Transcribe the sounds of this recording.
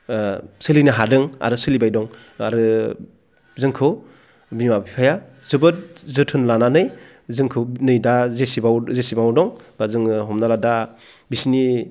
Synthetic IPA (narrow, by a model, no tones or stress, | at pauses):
sɯlinɯɦadɯŋa̰ɾɯsɯlibajdɔŋ | a̰ɾɯ | zɯŋkʰɯ | bimabʰipʰaja | zɯbɯt̚zɯtʰɯnlananɯj | zɯŋkʰɯnɯjdazesibawzesibawdɔŋbazɯŋɦɔmnalada | bisni